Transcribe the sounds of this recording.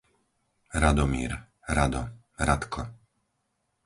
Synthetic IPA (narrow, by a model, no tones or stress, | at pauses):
ɾad̪ɔmḭːɾ | ɾad̪ɔ̰ | ɾat̪kʰɔ